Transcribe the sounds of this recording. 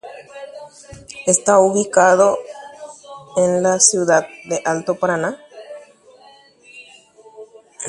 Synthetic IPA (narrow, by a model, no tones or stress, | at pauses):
est̪auβikað̞o | enlasjuðaðd̪e̞ʔalt̪o̞paɾana